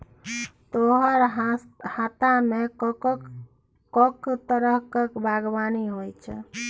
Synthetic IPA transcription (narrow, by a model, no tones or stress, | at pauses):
t̪oɦəɾhat̪ame | kɔkt̪əɾəɦkekbʱaɡbaniɦojt͡ʃʰ